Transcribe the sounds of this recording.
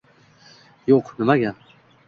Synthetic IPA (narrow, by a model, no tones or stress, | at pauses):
joqnɪmaɡʲan